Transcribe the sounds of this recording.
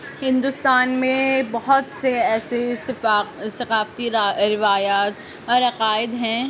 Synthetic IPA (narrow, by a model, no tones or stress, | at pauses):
hɪ̃nd̪ʊst̪aːnmẽbɐɦʊt̪seɛːsessɐqaːft̪iɾɪʋaːjaːt̪ | ɔːɾɐqaːɪd̪ɦɛ̃ː